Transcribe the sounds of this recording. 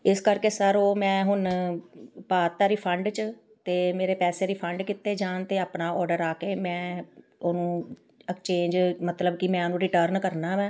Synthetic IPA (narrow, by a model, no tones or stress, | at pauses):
ɪskəɾkeːsəɾoːmɛ̃ːɦʊn | paːt̪ːaːɾiːpʰəɳɖt͡ʃ | t̪eːmeːɾeːpɛːseːɾiːpʰəɳɖkɪt̪ːeːd͡ʒaːnt̪eːaːpnaːɔːɾɖəɾaːkeːmɛ̃ː | oːnũː | ɛkt͡ʃẽːɲd͡ʒmət̪ləbkɪmɛ̃ːonũːɾɪʈəːɾnkəɾnaːʋɛ̃ː